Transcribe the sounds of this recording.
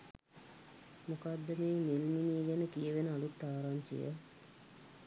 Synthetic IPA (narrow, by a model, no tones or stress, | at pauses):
mukad̪ːəmeːmelminiɡenəkijəʋenəalut̪ːaːɾaɲt͡ʃḭjə̰